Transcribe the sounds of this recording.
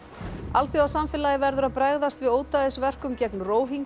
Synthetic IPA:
alθiawsamfɪlajɪvɛɾðʏɾaðpɾaɣðast̪vɪðoːwt̪aðɪsvɛr̥kʏmcɛknroːwɦiŋk

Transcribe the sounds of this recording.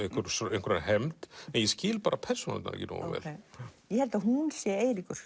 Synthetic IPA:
eŋkʰʏɾseŋkʰʏɾanɦɛmt̪ɛnjɛscɪːlpaːɾapʰɛɾ̥suna̰l̰t̪a̰ɛ̰cɪno̰ːwvɛ̰ːljɛhɛlt̪aɦunsjɛeːjlikʏɾ̥

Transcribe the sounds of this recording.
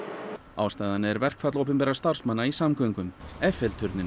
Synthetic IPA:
aːwst̪aːjðanɪɛɾvɛr̥kfat̪lowpʏmpɛːɾast̪ar̥smanːaisamkœŋkʏmɛfɛlt̪ʰʏɾt̪nɪn

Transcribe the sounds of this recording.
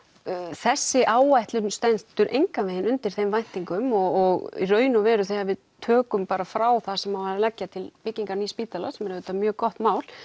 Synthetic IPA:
θɛsːɪʔaːwajht̪lʏnst̪ɛnt̪ʏɾʔejŋkavɛjɪnʏnt̪ɪɾ̥θejmvajn̥t̪iŋkʏmɔɔɣḭrœːɥnʏvɛːɾʏθɛavɪðt̪ʰœːkʏmpaːɾafɾaːwθasɛmhavaːɾɪlɛcːat̪ʰɪlpɪcːiŋkaɾnispiːt̪alasɛmɛɾʏt̪ːamjœːɣkɔht̪maːwl̥

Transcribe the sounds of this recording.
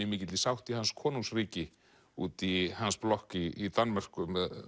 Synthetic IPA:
ɪmɪːcɪt̪lɪsawht̪ihanskʰɔːnuŋsriːcɪ | ṵːt̪ihansplɔhkiːt̪anmar̥kʏmɛð

